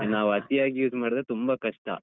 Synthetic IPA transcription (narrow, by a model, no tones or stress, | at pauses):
naːʋɐt̪ijaːɡijuːsmaːɽd̪et̪umbɐkɐʂʈɐ̰